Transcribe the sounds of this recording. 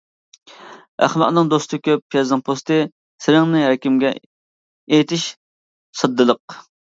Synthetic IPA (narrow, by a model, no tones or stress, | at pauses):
æ̰χmɛʔ̪nɨŋd̪ost̪ʰɨkʲøp̚ʰːjɛzɨŋpʰost̪ɨ | sɪɾɪŋnɪɾɛkʲimɡʲɛ̰ | ejt̪ʰɪʃ | sɨd̪ːɨlˠəq